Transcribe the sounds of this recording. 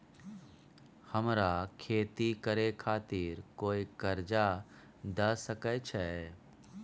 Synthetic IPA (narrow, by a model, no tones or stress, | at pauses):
həmɾakʰeːt̪ikəɾekʰaːt̪iɾkoːikəɾd͡ʒa | d̪əsəkət͡ʃʰɛ